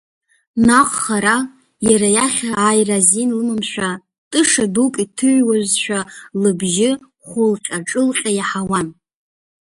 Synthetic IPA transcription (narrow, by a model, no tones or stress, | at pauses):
naqʼχaɾa | jaɾajaχʲaajrazinlɨmɨmʃʷᶣa | tʼɨʂadukʼitʰɨʕʷwazʃʷᶣalɨbʒɪ | χʷʊlqʲʼaʈ͡ʂʼɨlqʲʼajaħawan